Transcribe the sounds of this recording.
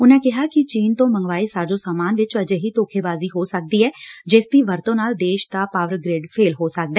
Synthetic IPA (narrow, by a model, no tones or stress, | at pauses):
ʊnɛ̃ːkɪɦaːkɪt͡ʃiːnt̪õːməŋɡʋaːiːsaːd͡ʒõːsaːmaːnʋɪt͡ʃəd͡ʒeːɦiːt̪oːkʰeːbaːziːɦoːsək̚d̪iːɛːd͡ʒɪsd̪iːʋəɾt̪õːnaːld̪eːʃd̪aːpaːʋəɾɡɾeːɖpʰeːlɦoːsək̚d̪ɛː